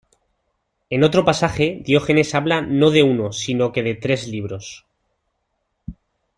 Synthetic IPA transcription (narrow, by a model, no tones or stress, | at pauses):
e̞no̞t̪ɾo̞pasaxe̞ðjo̞xe̞ne̞saβlano̞ðe̞uno̞sino̞ke̞ðe̞t̪ɾe̞zliβ̞ɾo̞s